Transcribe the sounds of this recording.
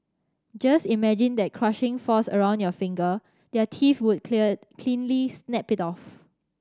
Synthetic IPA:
d͡ʒasimɛd͡ʒɪ̃ndɛt̚kʰɹaʃɪ̃ŋfɔsəɹãʊ̃ndjɔfɪ̃ŋɡə | dɛtʰifwud̚kʰlĩnlisnɛpɪtɔf

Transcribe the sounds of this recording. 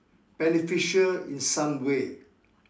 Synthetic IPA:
b̥ɛnifiʃəlḭ̃nsãmwe

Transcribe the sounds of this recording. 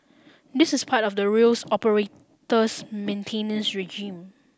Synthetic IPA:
dɪsɪspʰatɔfdəɹilsɔpəɹe | təsmẽntʰẽnə̃nsɹɛd͡ʒĩm

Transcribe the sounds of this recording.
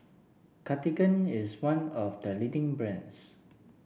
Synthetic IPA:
kʰatiɡə̃nɪswãnɔfdəlidĩŋbɹɛ̃ns

